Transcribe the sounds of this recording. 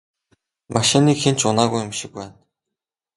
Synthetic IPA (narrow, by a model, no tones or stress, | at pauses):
mʔaʃɪniːkxen̥t͡ɕʊnaːɣujʊmʃɪ̆k̚pæːn